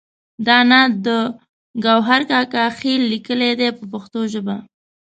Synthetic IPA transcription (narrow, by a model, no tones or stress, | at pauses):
d̪ɑnad̪ə | ɡawɦaɾkɑkɑxilːikəled̪epəpaxt̪oʒəba